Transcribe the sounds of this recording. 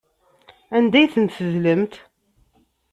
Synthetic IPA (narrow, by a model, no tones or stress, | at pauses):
ænd̪æjθənt̪θəðləmt̪